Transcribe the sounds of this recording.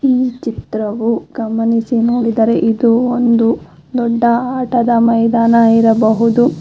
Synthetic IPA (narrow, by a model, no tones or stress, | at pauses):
iːt͡ʃit̪ɾɐʋuɡɐmɐnisinoːɽid̪ɐɾe̞ʔid̪uond̪u | d̪ɔɖːɐaːʈɐd̪ɐmɐjd̪aːnɐiɾɐbɐɦud̪u